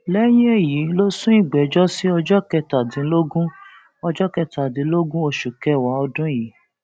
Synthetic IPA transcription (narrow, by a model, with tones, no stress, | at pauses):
lɛ˦j̃ĩ˦e˦˨ji˨˦lo˦sũ˦i˦˨ɡ͡bɛ˨˦d͡ʒɔ˦si˦ɔ˧d͡ʒɔ˦kɛ˧ta˨dĩ˨˦lo˦ɡũ˦ | ɔ˧d͡ʒɔ˦kɛ˧ta˨dĩ˨˦lo˦ɡũ˦o˧ʃu˨kɛ˧wa˨˦ɔ˧dũ˦ji˨˦